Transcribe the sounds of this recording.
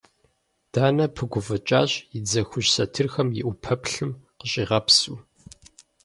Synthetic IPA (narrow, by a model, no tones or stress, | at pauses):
d̥aːnɐpʰɨɡʷʊvɐt͡ʃʼaːɕʼjɪd͡zɐxʷʊʑsɐtʰɨrxɐmjɪʔʷʊpʰɐpɬɨmqəɕʼiːʁɐpsuː